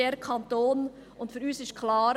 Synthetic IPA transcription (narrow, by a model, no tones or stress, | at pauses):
eːɾkʰɑnt̪oːn | ʊntfyːɾyːsɪʃtkʰlɑːɾ